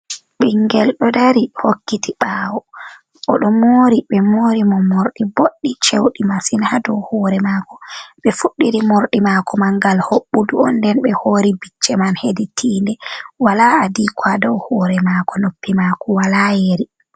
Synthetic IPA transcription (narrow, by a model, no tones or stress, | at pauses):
ɓiŋɡɛlɗɔdaɾihokːitiɓaːwɔ | ʔɔɗɔmoɾiɓɛmoːɾimɔmoɾɗiboɗːit͡ʃewɗimasinhadɔwhɔːɾɛmakɔ̥ɓɛfuɗːiɾimoɾɗimakʰɔmaŋɡalhoɓːuduɔndɛnɓɛhoɾibit͡ʃːɛmanheditʰiːndɛwalaːdikwadɔwhɔːɾɛmakɔnopːimakɔwalajeɾi